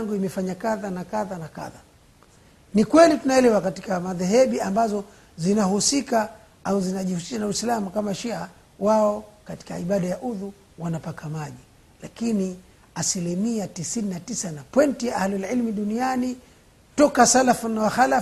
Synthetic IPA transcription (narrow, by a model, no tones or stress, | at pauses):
ŋɡuimɛfaɲakaðanakaðanaka̰ða | nikwɛlitunaɛlɛwakati̥kamaðɛɦɛɓiambazɔ | zinahusika | auzinaʄihusi̥ʃanawɛslamukamaʃia | waɔkati̥kaiɓaɗajaʔuðu | wanapakamaʄi | lakini | asilimiatisininatisanapwɛntijaʔahlalʕilmuɗuniani | tɔkasalafunawaxala